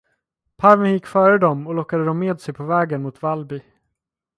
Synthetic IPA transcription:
pʰaɾvənjɪkːfœːɾəd̪ɔmɔlɔkːad̪əd̪ɔmːeːd̪sɛjpʰɔvɛːɡənmʊt̪valbɪ

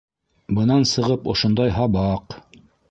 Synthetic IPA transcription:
bɤ̆nɑnsɤ̆ʁɤpŏʃŏnd̪ɑjɦɑbɑq

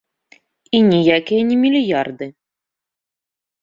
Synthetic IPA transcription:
inʲijakʲijɐnʲɛmʲilʲijard̪ɨ

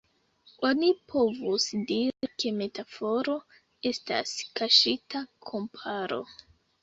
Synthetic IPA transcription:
o̞nipʰo̞vusdiɾikʰe̞me̞tafo̞ɾo̞ | e̞sta̰skaʃitakʰo̞mpʰaɾo̞̰

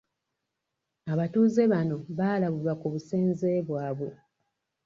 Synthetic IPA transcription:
aβatuːze̞βano̞βaːlaβulwakuβuseːnzeːβwaːβwe

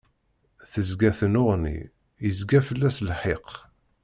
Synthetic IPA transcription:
θəzɡæθənʊʁnḭ | jəzɡæfəlːæslħeq

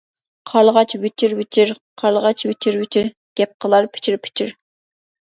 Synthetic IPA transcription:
qʰɑlˠʁɑt͡ʃwɪt͡ʃʰiɾwɪt͡ʃʰiɾ | qʰɑlˠʁɑt͡ʃwɪt͡ʃʰiɾwɪt͡ʃʰiɾ | ɡ̥ʲɛp̚qʰəlˠɑɾpʰɪ̥t͡ʃʰiɾpʰɪ̥t͡ʃʰiɾ

